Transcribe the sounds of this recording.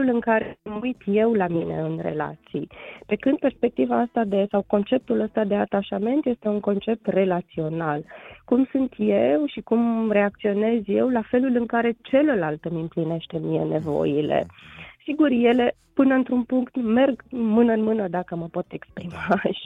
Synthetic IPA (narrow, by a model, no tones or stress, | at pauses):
lulɨŋkaɾemujt̪je̞wlamine̞̰ɨnre̞̰la̰t̪sijpe̞kɨnd̪̚pe̞rspe̞k̚t̪ivaast̪ad̪e̞sawko̞nt͡ʃe̞p̚t̪uləst̪ad̪e̞at̪aʃame̞nt̪je̞st̪e̞uŋko̞nt͡ʃe̞p̚t̪re̞lat̪sio̞nalkumsunt̪jewʃikumre̞ak̚t̪sio̞ne̞zje̞wlafe̞lulɨŋkaɾe̞t͡ʃe̞ləlalt̪əmʲɨmpline̞ʃt̪e̞mije̞̰ne̞vo̰jilḛsiɡurje̞le̞ | pɨnəɨnt̪ɾunpuŋkt̪me̞rɡmɨnəɨnmɨnəd̪akəməpo̞t̪e̞kspɾima